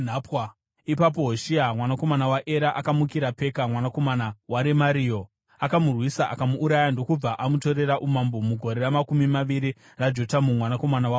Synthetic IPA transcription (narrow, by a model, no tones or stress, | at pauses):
n̤apwa | ipap̬o̞ɦoʃiamwanako̞manawaʔeɾaʔakamukiɾape̞kamwanako̞manawaɾemaɾijo | akamurwisaʔa̰kamuːɾajando̞kub͡vaʔamuto̞ɾe̞ɾaʔumambomuɡʱo̞ɾe̞ramakumimaʋiɾi | rad͡ʒo̞tamumwanako̞manawa